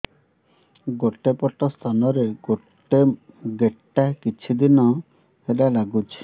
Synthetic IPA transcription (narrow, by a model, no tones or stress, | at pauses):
ɡoʈepɔʈɔst̪ʰanɔɾe | ɡeʈːakit͡ʃʰid̪inɔ | helalaɡut͡ʃʰi̥